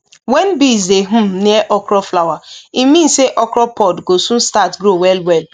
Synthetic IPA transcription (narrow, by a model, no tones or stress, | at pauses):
wɛn̩bizdeɦ̩neʔɔkɾɔflawaimĩn̩seʔɔkɾɔpɔdɡosũn̩statɡɾowɛlwɛl